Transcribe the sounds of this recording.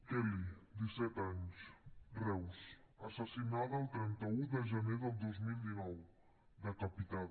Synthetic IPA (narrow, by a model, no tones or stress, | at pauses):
kɛlid̪isɛt̪aɲsrɛwsəsəsinaðəlˠt̪ɾɛnt̪əuðəʒəneðəlˠd̪ozmilˠd̪inɔw | ðəkəpit̪a